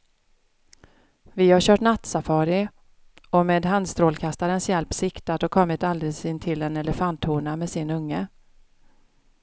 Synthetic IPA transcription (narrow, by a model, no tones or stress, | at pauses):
vɪhaɕœːʈnat̪safɑːɾɪ | ɔmeːd̪ɦand̪st̪ɾoːlkʰast̪aɾənsjɛlpsɪkt̪at̪ɔkʰɔmːɪt̪ald̪ɾɪsɪnt̪ʰɪlɛnɛləfant̪huːɳameːsɪnɵŋːə